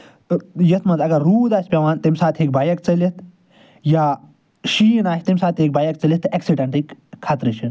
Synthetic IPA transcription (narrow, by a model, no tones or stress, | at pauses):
jɐt̪mɐnzɐɡɐɾːuːd̪aːsʲpʲɐʋaːnt̪imʲsaːt̪ʰeːk̚baːjɐkt͡sɐlit̪ | jaː | ʃiːnaːsʲt̪imʲsaːt̪ʰeːk̚baːjɐk̚t͡sɐlʲit̪ːɨʔɐksiɖɐɳʈikkʰːat̪ɾɨt͡ʃʰin